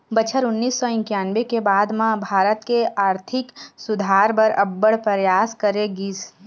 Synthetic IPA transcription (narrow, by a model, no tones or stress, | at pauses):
bət͡ʃʰəɾʊnːiːsːɔɪ̃ŋkjaːnʋekebaːd̪mãbʱaːɾət̪keaːɾt̪ʰɪksʊd̪ʱaːɾbəɾɐbːəɽpəɾjaːskəɾeɡiːs